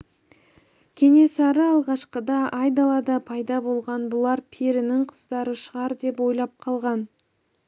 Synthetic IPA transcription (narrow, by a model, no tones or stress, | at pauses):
kʲʰe̞ŋe̞sɑɾəɑlˠʁɑʃqəd̪ɑɑjd̪ɑlˠɑd̪əpʰɑjd̪ɑbo̞lˠʁɑnbʊlˠɑɾpʰeɾɪnɪŋqʰəzd̪ɑɾəʃəʁɑɾd̪e̞pwo̞jlˠɑp̚qʰɑlˠʁɑn